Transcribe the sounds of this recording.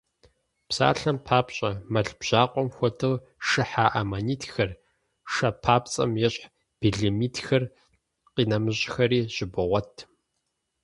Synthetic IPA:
psa̰ːɬɐmpʰaːpɕʼɐmɐɮb̥ʑ̥aːqʷʼɔmxʷɔtʰɨl | ɨħaːʔɐmaniːtxɐr | ʂɐpʰaːpt͡sʼɐ̰mjɛɕʼħ | b̥iɮimiːtʰxɐr | qiːnɐmɨɕʼxɐɾiːʑɪbɨʁʷɔtʰ

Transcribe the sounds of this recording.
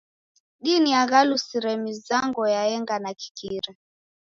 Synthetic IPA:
ɗiniaɣalusiɾɛmizaŋɡɔjaɛŋɡanaki̥kiɾa

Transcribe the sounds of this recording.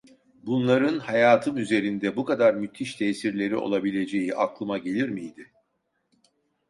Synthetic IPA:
bunlˠaɾɯnhajaːt̪ʰɯmyze̞ɾind̪ɛbukad̪aɾmyt̪ʰːiʃt̪ʰɛːsiɾlʲe̞ɾio̞̰lˠabilʲe̞d͡ʒe̞jiʔaklˠɯmaɟe̞lʲiɾmijd̪ɪ

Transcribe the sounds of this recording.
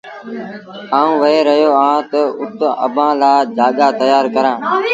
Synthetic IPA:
aːũːʋəeːɾəjoːãːt̪əʊt̪ə̰bʱãːlaːd͡ʒaːɠaːt̪əjaːɾkəɾãː

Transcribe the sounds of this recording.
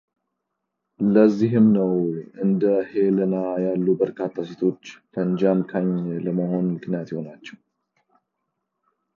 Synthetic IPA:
ləzːiɦɨmnəwɨnd̪əhelənajalːubəɾkʰat̪ʰːaset̪ʰo̞t͡ʃːfʰənd͡ʒamkʰaɲləməho̞nmɨknijat̪jɛho̞nat͡ʃːɛw

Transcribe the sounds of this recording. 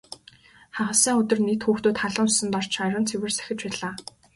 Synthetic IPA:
χaʁə̆siːŋɵt̪ɵ̆rnet̪xuːxt̪uːt̪χaɮə̆nsʊ̥sɘ̆nt̪ɔr̥t͡ɕʰaɾʲə̆nt͡sʰewɘ̆rsæ̥xʲɪ̆t͡ɕpæːɮaː

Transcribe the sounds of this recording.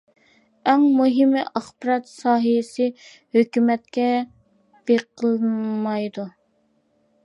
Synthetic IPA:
ɛŋmuɦɪmʔɑχbɨɾɑt̪sɑːɦijsɪ | høkʲymɛt̪̚kʲɛ | b̥eqʰəlˠmɑjd̪u

